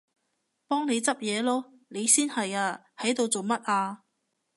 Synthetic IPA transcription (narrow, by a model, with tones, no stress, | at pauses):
pɔː˥ŋne˨˧jt͡sɐ˥p̚jɛː˨˧lɔː˥ | ne˨˧jsiː˥nhɐ˨jaː˧ | hɐ˨˥jt̪o˨˧wt͡so˨wmɐ˥t̚ʔaː˧